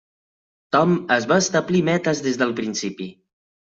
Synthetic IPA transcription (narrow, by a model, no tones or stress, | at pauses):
t̪ɔməzβaəst̪əblimɛt̪əzðezðəlˠpɾinsipi